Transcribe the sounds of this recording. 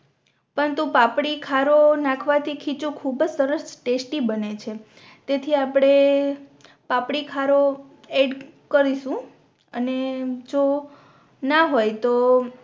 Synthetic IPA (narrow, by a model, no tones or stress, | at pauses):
pəɾənt̪upapɽikʰaɾonakʰʋat̪ʰikʰit͡ʃũkʰubd͡ʒsəɾəsʈesʈibənet͡ʃʰe | t̪et̪ʰiapɽ̃e | pãpɽikʰaɾo | eɖkəɾiʃũ | əned͡ʒo | naɦojt̪o